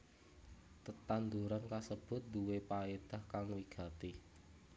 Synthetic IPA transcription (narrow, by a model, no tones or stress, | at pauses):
t̪ət̪and̪uɾankasəb̥ʊ̤t̪̚d̪uwepaed̪̥a̤hkaŋwiɡ̥a̤t̪i